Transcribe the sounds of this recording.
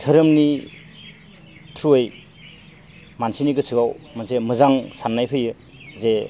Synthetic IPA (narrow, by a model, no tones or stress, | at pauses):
tʰɯɾɯmni | tʰɾuej | mansiniɡɯsʰɯɡawmansemɯzaŋsanːajpʰɯjɯ | ze